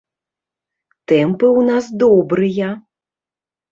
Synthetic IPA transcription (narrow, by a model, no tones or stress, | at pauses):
t̪ɛmpɨwnazd̪ɔbɾɨjɐ